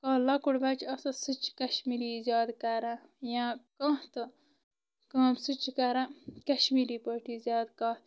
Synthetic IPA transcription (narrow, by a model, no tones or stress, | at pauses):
kãːlɐkuɽbɐt͡ʃʰɐsɐsɨt͡ʃʰkɐʃmiɾizʲaːd̪kɐɾã | jãkãːt̪ɨ | kɐ̃ːmsɨt͡ʃkɐɾakɐʃmiɾiːpəːʈizjaːd̪kaːt̪